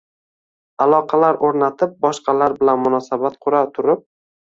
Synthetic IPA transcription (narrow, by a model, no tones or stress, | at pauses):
alˠɒqʰɑlaɾʔoɾnat̪ʰɪp̚bɒʃqʰɑlaɾbɪlanmʊnɒsabat̪qʰʊɾat̪ʰʊɾɪp̚